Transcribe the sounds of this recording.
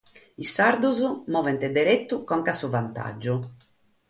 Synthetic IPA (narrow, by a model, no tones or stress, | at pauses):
isaɾd̪uzumɔːvɛnt̪ɛd̪eɾet̪ːukɔŋkasuvant̪a̰d͡ʒːu